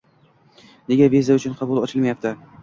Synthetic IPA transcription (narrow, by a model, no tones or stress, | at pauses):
ne̞ɡʲavizaʊt͡ʃʰʊnqʰɑbʊlˠɒt͡ʃʰɪlmajap̚t̪ʰɪ